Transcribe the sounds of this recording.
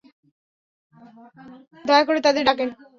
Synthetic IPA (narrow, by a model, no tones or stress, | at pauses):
d̪ʱɔekoɾet̪ad̪eɾɖaken